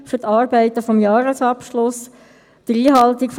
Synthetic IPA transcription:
fʏɾt̪ʰɑːɾbɛɪt̪əfɔmjɑːɾəsɑpʃlʊs | d̥əɾiːɦɑlt̪ikf

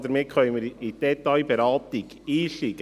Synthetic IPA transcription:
dəɾmɪːkʰχœʏməɾid̥ɛt̪ːɑɪbeɾɑːt̪iɡ̥ | iːʃiɡ̥

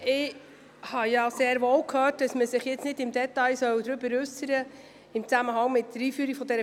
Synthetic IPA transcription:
ɪ | hɑjɑseːɾʋoːwkʰhøːt̚d̥ɑsməsɪχjɪt͡snɪdɪmd̪ɛtɑjsœwd̪ɾʏbəɾʉsəɾə | ɪmt͡sæməɦɑŋmɪtːəɾiːfyːɾiɡ̥fɔd̪ɛɾə

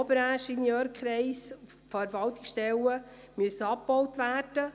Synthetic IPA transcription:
ɔbəɾaʃinjœːɾkʰχɾɛɪsu | fɛɾvɑlt̪ɪksʃtɛlə | myəsːəɑpbɔwtʋæːrd̥ə

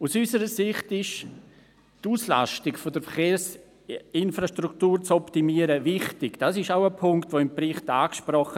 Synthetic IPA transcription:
usysəɾəsɪχtɪʃ | tuːsla̰ʃtɪkfodəɾfəɾχeːɾs | ɪnfɾaʃtɾuktuːɾt͡sɔptimiəɾəvɪχtɪɡd̥asɪʃaʊəpʰʊŋktvoːɪmprɪχtaːkʃprɔχə

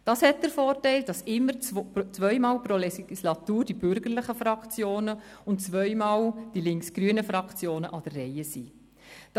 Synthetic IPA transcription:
d̥ɑshɛt̚d̥əɾfoːɾtɛɪld̥ɑsɪmːəɾt͡st͡sʋœʏmɑːlpɾolɛɡiislɑtuːɾd̥ib̥ʏɾɡəɾləɪχəfɾɑkχt͡sjoːnəʊntt͡sʋœʏmɑːld̥ilɪŋksɡ̥ɾyənəfɾɑkχt͡sjoːnəʔɑd̥ərːɛjəsiː | d̥

